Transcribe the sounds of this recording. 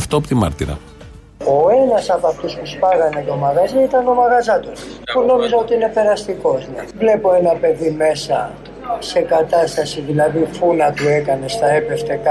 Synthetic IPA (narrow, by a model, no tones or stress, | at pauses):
ft̪oɐpot̪imɐ̰ɾt̪iɾɐ̰ | o̞enɐsɐpɐft̪uspuspɐɣɐne̞t̪o̞mɐɣɐziit̪ɐno̞mɐɣɐzɐt̪o̞npuno̞mizɐot̪iine̞pe̞ɾɐst̪iko̞znḛvle̞po̞e̞nɐpe̞ðime̞sɐ̰ | se̞kɐt̪ɐst̪ɐsiðilɐðifunɐpue̞kɐne̞st̪ɐepe̞ft̪ekɐ